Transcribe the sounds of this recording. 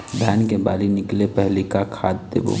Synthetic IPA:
bʱjaːnkeba̰ːlinɪklepɛɦlikakʰaːd̪d̪ḛːbo̰ː

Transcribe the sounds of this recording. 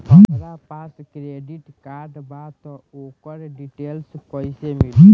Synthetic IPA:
ɦəɾapaskɾeɖiʈkaɾɖbat̪ɔ | okəɾɖiʈelskɔjsemiɦə

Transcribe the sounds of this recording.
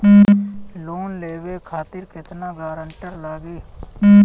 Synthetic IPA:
loːnleːʋekʰaːt̪ɪɾkɪt̪naɡaːɾəɳʈəɾlaːɡiː

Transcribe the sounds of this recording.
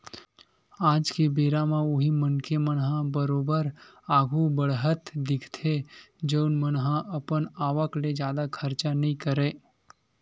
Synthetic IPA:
aːd͡ʒkebeːɾamãʊɦimənkemənɦãbəɾoːbəɾ | aːɡʱubəɽɦət̪d̪ɪkʰt̪ʰe | d͡ʒəːnmənɦãʔəpənaːʋəkled͡ʒjaːd̪akʰəɾt͡ʃanəɦĩkəɾeː

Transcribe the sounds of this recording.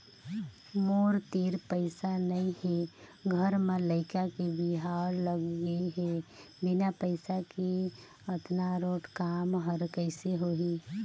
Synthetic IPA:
moːɾt̪iːɾpəɪsanəĩheɡʱəɾmẽləɪkakebɪɦaːɾləɡɡiɦe | bɪnapəɪsake | ət̪naɾoːʈkaːmɦəɾkəɪseɦoːɦiː

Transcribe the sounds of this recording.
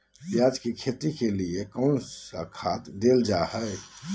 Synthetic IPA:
pjaːd͡ʒkikʰeːt̪ikeliekəʊnsakʰaːt̪d̪eːld͡ʒaɦɛɛ

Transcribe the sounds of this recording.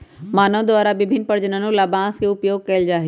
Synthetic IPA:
maːnəʋd̪ʋaːɾaʋɪbʱɪnpɐɾd͡ʑənənũlaːbãːskʰeːʊpjoːɡ̚kɐɪld͡ʑaːɦi

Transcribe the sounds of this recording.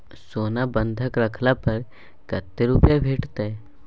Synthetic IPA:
soːnabə̃nd̪ʱəkɾəkʰlapəɾ | kət̪ːeɾupjabʱeːʈt̪e

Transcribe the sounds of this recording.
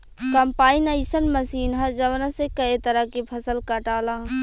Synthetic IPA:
kɐmpaːinɐisənmɐsiːnɦɐd͡ʒɐʋnãsekɐet̪ɐɾəkipʰɐsəlkɐʈaːla

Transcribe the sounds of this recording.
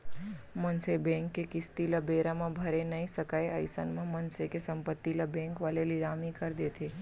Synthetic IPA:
mənsebɛ̃ŋkːekɪst̪iləbeɾamãbʱəɾenəisəkaeə̰ɪsə̰nmãmənsekesəmpət̪ːiləbɛ̃ŋkʋalelɪɾamikəɾd̪et̪ʰe

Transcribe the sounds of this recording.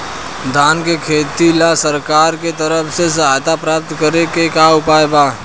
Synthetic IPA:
d̪ʱaːnkekʰeːt̪ilasəɾkaːɾket̪əɾəpʰses̬ɐɦaːjt̪apɾaːp̚t̪kəɾekekaːʊpaːebaː

